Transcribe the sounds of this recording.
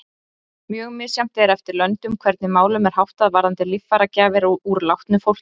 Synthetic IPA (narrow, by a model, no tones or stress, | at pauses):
mjœːɣmɪ̥ːsjam̥t̪ɛɾɛft̪ɪɾlœnt̪ʏmkʰvɛɾt̪nɪmaːwlʏmɛɾ̥hawht̪aðvaːɾðant̪ɪlɪfːaɾacaːvɪɾɔuɾlawht̪nʏfowl̥c